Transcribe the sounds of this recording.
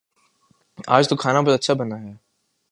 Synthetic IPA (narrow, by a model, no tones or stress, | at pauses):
a̰ːd͡ʒt̪okʰaːnapɐɾɐtːʃʰabɐnaːɦjaː